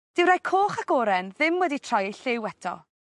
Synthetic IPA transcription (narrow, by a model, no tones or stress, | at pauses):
d̥ɪwɾajkʰoːχaɡoːɾɛnðɪmwɛditʰr̥ɔjejɬɪwɛtʰɔ̰